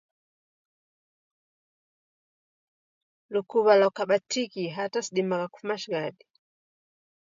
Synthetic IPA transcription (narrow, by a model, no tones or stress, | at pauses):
lukuβalakaɓatʰikiɦatasiɗimakaku̥fumaʃiɡaɗi